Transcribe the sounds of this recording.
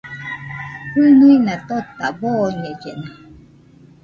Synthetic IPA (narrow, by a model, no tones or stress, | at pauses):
pɨnuinat̪ot̪ːabonied͡ʒena